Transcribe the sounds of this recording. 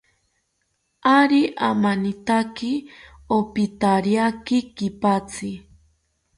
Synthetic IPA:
aɾiʔamanit̪aki | opit̪aɾiakikipat͡si

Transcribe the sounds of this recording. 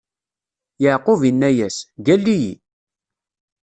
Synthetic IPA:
jəʕqʊvinːæjæsɡælːijḭ

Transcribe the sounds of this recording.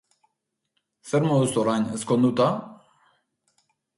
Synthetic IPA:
seɾmoðust̪oɾanḛskond̪ut̪a

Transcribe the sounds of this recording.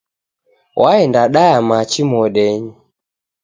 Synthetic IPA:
waɛndaɗajamat͡ʃimɔɗɛɲi

